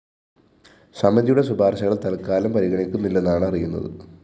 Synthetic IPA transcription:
sɐmɐðijuɽe̞subʱaːrɕɐɣɐɭt̪ɐlkːaːlɐmpɐɾiɣɐɳikʲːunːilːenːaːɳɐrijunːɐ̰ðɨ̰

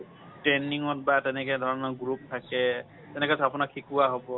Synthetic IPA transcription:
tɹɛniŋɔt̚batɛnɛkɛdʱɔɹɔnɔɡɹup̚tʰakɛ | tɛnɛkɛsapʊnakʰːikuwaɦobɔ

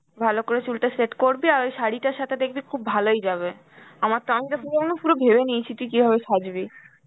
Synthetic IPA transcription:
bʱalokoɾet͡ɕulʈaɾseʈkoɾbiaɾejʃaɽiʈaɾʃat̪ʰed̪ekʰbikʰubːʱalojd͡ʑaβe | amaɾt̪oamit̪afuɾoonofuɾobʱebenijt͡ɕʰit̪ikibʱaβeʃad͡ʑbi

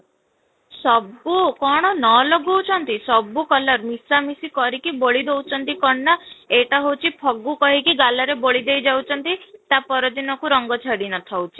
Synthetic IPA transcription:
sɔbukɔɽ̃ɔnɔloɡuut͡ʃʰɔnt̪isɔbukɔlɔɾmisamisikɔɾikiboɭid̪ewt͡ʃʰɔnt̪ikɔɳːɔeʈaɦowt͡ʃʰipʰɔɡukɔɦikiɡalɔɾeboɭid̪ejd͡ʒawt͡ʃʰɔnt̪it̪apɔɾɔd̪inɔkuɾɔŋɡɔt͡ʃʰɔɽinɔt̪ʰɔwt͡ʃʰi̥

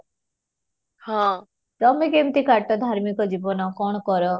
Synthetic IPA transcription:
hã | t̪ɔmekemt̪ikaʈɔd̪ʱaɾmikɔd͡ʒibɔnɔkɔɳ̃ɔkɔɾɔ

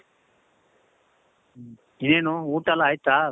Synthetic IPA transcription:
ɪnẽːnõːũːʈəlaːit̪aː

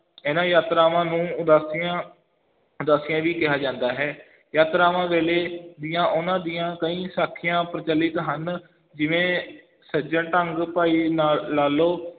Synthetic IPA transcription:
ɛːnãːjaːt̪ɾaːʋãːnũːʊd̪aːsɪjãː | ʊd̪aːsɪjãːʋiːkɪɦaːd͡ʒãːnd̪aːɦɛː | jaːt̪ɾaːʋãːʋeːleːd̪ijãːʔʊnãːd̪ijãːkəĩːsaːkʰːɪjãːpəɾət͡ʃəlːɪt̪ɦən | d͡ʒɪʋẽː | səd͡ʒə̃ʈəŋɡpaːiːnaːaːloː

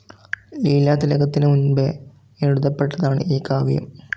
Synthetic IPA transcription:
liːlaːt̪ilɐɡɐt̪ːinɨunbe | eɻuðɐpːe̞ʈːɐðaːɳɨ̰ʔiːkːaːʋɐjṵm

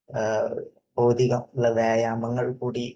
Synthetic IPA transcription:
bo̞ːd̪iɣɐmuɭːɐʋeːjaːmɐŋːɐɭkuːɽi

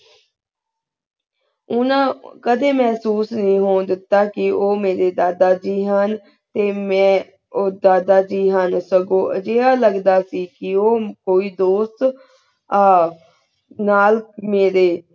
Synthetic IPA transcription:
ʊnãːkəd̪eːmɛ̃ːsuːsnĩːɦoːnd̪ɪt̪ːaːkɪoːmeːɾeːd̪aːd̪aːd͡ʒiːɦən | t̪eːmɛ̃ː | oːd̪aːd̪aːd͡ʒiːɦənsəɡõːʔə̰d͡ʒeːaːləɡd̪aːsiːkɪoːkoːiːd̪oːst̪ː | naːlmeːɾeː

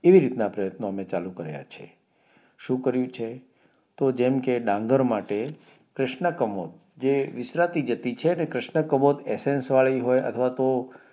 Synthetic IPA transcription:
eʋiɾit̪napɾəjət̪noəmet͡ʃalũkəɾja̰t͡ʃʰḛ | ʃũkəɾjũt͡ʃʰe | t̪od͡ʒemkeɖãŋɡəɾmaʈe | kɾɪʃɳəkəmot̪̚ | d͡ʒeʋɪsɾat̪id͡ʒət̪it͡ʃʰenekɾɪʃɳəkəmot̪esẽnsʋaɭiɦojə̰t̪ʰəʋat̪o

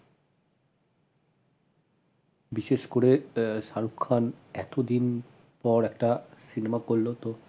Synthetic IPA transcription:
biʃeʃkoɾeʃaɾukʰːanɛ̰t̪od̪in | pɔɾɛkʈasinemakolːot̪o

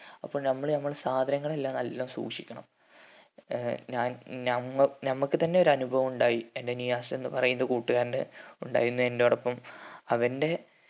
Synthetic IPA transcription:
ɐpːo̞ːɭnɐmːɐɭnɐmːɐɭsaːd̪ʱɐnɐŋːɐɭe̞lːaːmnɐlːɐmsṵːkʂikʲːɐɳɐ̰m | ɲaːnnɐmːɐɭnɐmːɐkːɨt̪ɐnːe̞o̞ɾuɐnubʱɐʋɐmuɳɖaːjiende̞nijaːsɐenːɨpɐrɐjunɐðkuːʈːuɣaːɾinɨuɳɖa̰ːjiɾunːue̞ndoːɽɐpːɐmɐʋɐnde̞

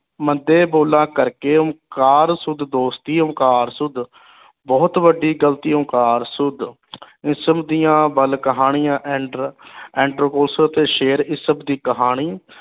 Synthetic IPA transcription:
mənd̪eːboːlãːkəɾkeːʊmkaːɾsʊd̪d̪oːst̪iːʊmkaːɾsʊd̪ | bɔːt̪ʋəɖiːɡəlt̪iːə̃ːkaːɾsʊd̪ | ɪsəbd̪ijãːbəlkəɦaːɳɪjãːʔ | ɛ̃ːɳɖɾoːkoːlsəɾət̪eːʃeːɾɪsəbd̪iːkəɦaːɽ̃iː

